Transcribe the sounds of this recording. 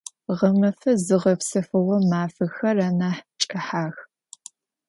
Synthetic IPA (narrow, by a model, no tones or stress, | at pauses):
ʁɐmɐfɐzɨʁɐpsɐfɨʁʷɔmaːfɨxɐraːnaːħt͡ʃʼɐħaːx